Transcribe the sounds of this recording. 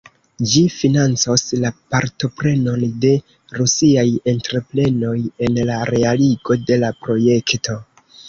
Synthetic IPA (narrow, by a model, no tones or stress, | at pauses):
d͡ʒifinant͡soslapaɾto̞pɾe̞no̞nde̞ | ɾusiaje̞ntɾe̞ple̞no̞je̞nlaɾe̞aliɡo̞de̞lapɾo̞je̞kto̞